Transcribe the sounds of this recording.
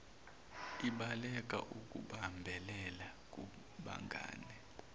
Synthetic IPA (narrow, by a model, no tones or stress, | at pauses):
iɓalɛk̬ʼa̰ʔuk̬ʼuɓambʱɛlɛlak̬ʼu | ɓa̰ŋɡʱa̰ːnɛ